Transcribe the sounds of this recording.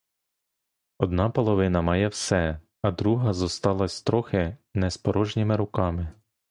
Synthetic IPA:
ɔd̪nɑpɔlˠɔʋɪnɐmɑjɛwsɛ | ɐd̪ɾuɦɐzɔst̪ɑlˠɐsʲt̪ɾɔxɪnɛspɔɾɔʒnʲimɪɾʊkɑmɪ

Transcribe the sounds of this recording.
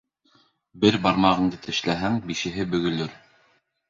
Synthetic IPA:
bɘɾbɑɾmɑʁɤ̆ɴd̪ɤt̪ɘ̆ʃlæɦæŋbiʃɘ̆ɦɘbɵ̆ɡɵ̆lɵɾ

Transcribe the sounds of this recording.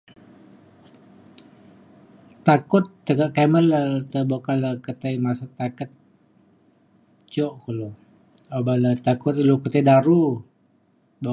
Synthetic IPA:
t̪akʊt̪ːəɡaʔkamərlət̪əbokaləkət̪əjmasat̪akət̪̚ | t͡ʃɔʔkəlu | abalət̪akʊt̪ilukət̪edaɾu | bo

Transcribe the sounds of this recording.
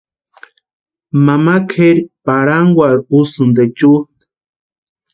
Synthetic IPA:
mamakʰeɾpaɾaŋɡwaɾusund̪et͡ʃut̪

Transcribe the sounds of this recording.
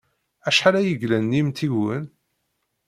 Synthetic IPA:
æʃħaɾæjəʝlænːimt̪iwən

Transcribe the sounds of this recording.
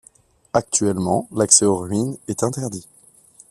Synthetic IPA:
ak̚t̪ɥɛlmɑ̃laksɛoʁɥinɛt̪ɛ̃t̪ɛʁd̪i

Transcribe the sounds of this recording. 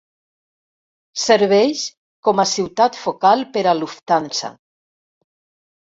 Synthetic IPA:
seɾβɛjʃ | kɔmasiwt̪at̪fokalpeɾaluft̪ansa̰

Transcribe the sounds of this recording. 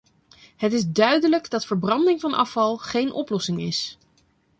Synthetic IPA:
ɦətɪzdœɥdələɡdɑtfəɹbrɑndɪŋvɑnʔɑ̰fɑlˠχejnʔɔ̰plɔsɪŋɪs

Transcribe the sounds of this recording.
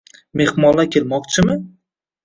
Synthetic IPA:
me̞hmɒlːakʲʰe̞lmɒqt͡ʃʰɪmɪ

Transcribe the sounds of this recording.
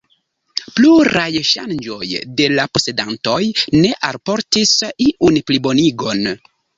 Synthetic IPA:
pluɾajʃa̰nd͡ʒo̞jde̞lapo̞se̞danto̞jne̞ʔalpo̞ɾtisiʔunplibo̞niɡo̞n

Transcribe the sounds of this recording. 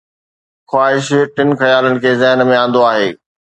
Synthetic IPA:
xwaːɦɪʃʈɪnxɐjaːlənɪ̆kʰeːzɛɦnmẽãːnd̪oaːɦeː

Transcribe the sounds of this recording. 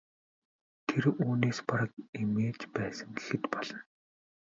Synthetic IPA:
t̪ʰeɾuːneːspaɾə̆kimeːt͡ɕpæːsə̆ŋɡe̥xɘ̆t̪pɔɮɞ̆n

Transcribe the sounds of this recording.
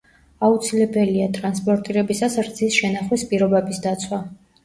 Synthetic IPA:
aut̪sʰilɛbɛliat̪ʼɾanspʼɔɾt̪ʼiɾɛbisasɾd̪z̥ʰisʃɛnaχwispʼiɾɔbɛbisd̪at̪sʰwa

